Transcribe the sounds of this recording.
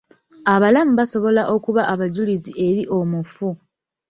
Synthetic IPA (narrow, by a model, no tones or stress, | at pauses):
aβalamuβaso̞βo̞laʔo̞kuβaʔaβaɟuliziʔe̞ɾiʔo̞mufu